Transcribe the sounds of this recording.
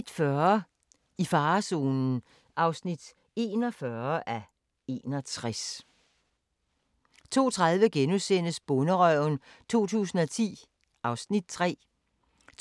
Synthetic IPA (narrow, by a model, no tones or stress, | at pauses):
d̥fɶɐ | ifɑ̈ːso̝ːnn̩ | ʔɑ̈ʊsnid̥ | e̝ːnɒfɶɐʔæ | e̝nɒ̽t͡sʰʁas | t͡sʰo̝̰ːt͡sʰʁɑ̈ðˠʋəɡ̥enusen̰əsb̥ɔ̽nəʁœʊ̰n̩t͡sʰo̝̰ːt͡sʰṵːsn̩ɒt͡sʰḭː | ʔɑ̈ʊsnid̥̚t͡sʰʁɛ̰ː